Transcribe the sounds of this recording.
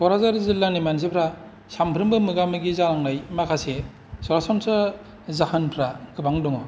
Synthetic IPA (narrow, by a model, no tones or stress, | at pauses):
bɔɾazaɾzilːanimans̬epʰɾa | sampʰɾɯmbɯmɯɡamɯɡizaɾaŋnajmakʰase | sɔɾasɔmsa | zahanpʰɾaɡɯbaŋdɔŋɔ